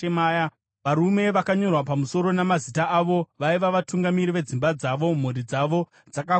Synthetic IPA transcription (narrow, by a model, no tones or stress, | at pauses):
emaːja | ʋaɾume̞ʋakaɲo̞rwapamuso̞ɾo̞namazitaʔaʋo̞ʋaiʋaʋatuŋɡamiɾiʋe̞d͡zimbad͡zaʋo̞m̤uɾid͡zaʋo̞ | d͡zaka